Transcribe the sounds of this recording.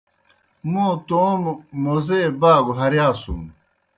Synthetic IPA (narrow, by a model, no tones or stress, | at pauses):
mũt̪ommozeːbaːɡuɦɐɾjaːsṵm